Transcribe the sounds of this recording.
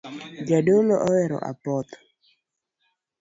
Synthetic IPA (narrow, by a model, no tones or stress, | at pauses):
d͡ʒadonoʔɔwɛɾɔ̰ʔa̰pɔt̪